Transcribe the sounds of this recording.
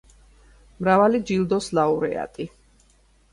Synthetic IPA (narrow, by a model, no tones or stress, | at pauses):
mɾavalid͡ʒild̪ɔslauɾɛ̰a̰t̪ʼi